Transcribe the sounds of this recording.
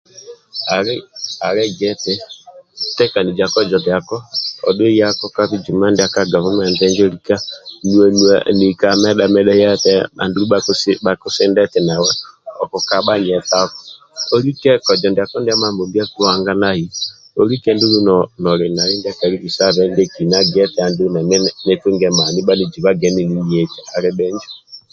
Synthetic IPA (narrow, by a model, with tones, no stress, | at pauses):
a˨a˨ɾɛ˦ɡɛ˦tɛ˦ | tɛ˦ka˨ni˨d͡ʒa˨kɔ˦d͡ʒɔ˨ndja˨kɔ˦ɔ̰˨dwe˦ja˦kɔ˦ka˦βi˦d͡ʒu˨ma˦nde˦a˦ka˦ɡa˨βɔ˦m˦ɛ˨ndɛ˦ŋd͡ʒɔ˦ɾi˦ka˦nu˨a˨nu˨a˨ni˨ka˨mɛ˦ɗa˨mɛ˦ɗɛ˦ja˦tɛ˦a̰˨ndu˦ɾu˦ɓa˦sba˨kʊ˦sɪ˦ndɛ˦tɛ˨na˨wɛ˦ɔ˨kɔ˨ka˦ɓa˦ɲ˨ɛ˨ta˦kɔ̥˨ | ɔ˦ɾi˦kɛ˦kɔ˨d͡ʒɔ˨ndi˨a˨kɔ˦ndi˦a˦ma˦mbo˨mbi˦a˦ki˦wa˦ŋɡa˦na˦hi˨ | ɔ˦ɾi˦kɛ˦ndu˦lu˦nɔ˨nɔ˨ɾɛ˨na˨ɾi˦ndi˦a˦ka˨ɾi˦ki˨sa˦βɛ˦ndɛ˦ki˨na˦ɡɛ˦tɛ˨˦a˨ndu˦u˦na˨mɛ˦ne˦tu˦ŋɡɛ˦ma˨ni˦ɓa˦ne˦d͡ʒi˨βa˦ɡɛ˨˦ni˨ni˦ɲ˨ɛ˨tɛ˨a˨ɾɛ˦ɓɛ˦ɲd͡ʒɔ˦